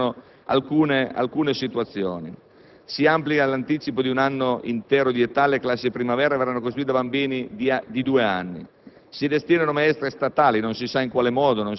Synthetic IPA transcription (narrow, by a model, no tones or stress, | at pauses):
o | a̰lkuːnea̰lkuːnesit̪uat̪sːjo̰ːni | siamplikalant̪iːt͡ʃipod̪iunanːoḭnt̪ɛːɾod̪iet̪ːaleklasːipɾimavɛːɾavɛɾrːanːokost̪ɾuit̪abambiːnid̪id̪uːeanːḭ | sid̪est̪jɛːnonomaɛst̪ɾest̪at̪aːlinonsisaiŋkwaːlemɔːd̪onon